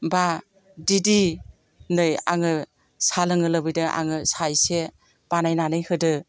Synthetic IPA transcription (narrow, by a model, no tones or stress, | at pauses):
ba | didi | nɯja̰ŋɯ | salɯŋɯlɯbɯjdɯʔa̰ŋɯsajse | b̥anajnanɯjhɯdɯ